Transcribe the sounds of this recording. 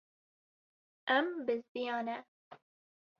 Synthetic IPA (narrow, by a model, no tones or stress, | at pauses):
ʔɛmbɨzbijɑːnɛ